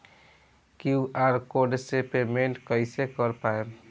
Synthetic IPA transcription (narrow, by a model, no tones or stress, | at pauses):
kjuaɾkoɖsepemeɳʈkəɪsekəɾpae